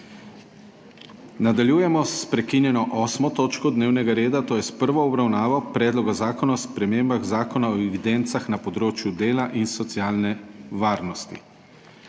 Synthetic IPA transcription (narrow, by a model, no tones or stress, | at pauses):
nad̪aljuːjɛmɔspɾɛkinjɛnɔʔɔːsmɔt̪oːt͡ʃkɔd̪neːwnɛɡaɾeːd̪at̪oːjɛspəɾʋɔːbɾawnaːʋɔpɾɛːd̪lɔɡazaːkɔnaspɾɛmeːmbaɣzaːkɔnaɔɛʋid̪ɛnt̪saxnapɔd̪ɾoːt͡ʃjud̪eːlaʔinsɔt̪sjaːlnɛʋaːɾnɔst̪ḭ